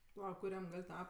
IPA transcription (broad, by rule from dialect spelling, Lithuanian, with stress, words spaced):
pɐˈlˠɐ kʊˈrʲɛm ˈɡɐlʲ ˈtɐ